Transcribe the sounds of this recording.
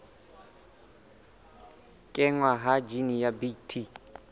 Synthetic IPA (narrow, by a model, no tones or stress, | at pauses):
kʼɪŋwaɦad͡ʒinijabitʰi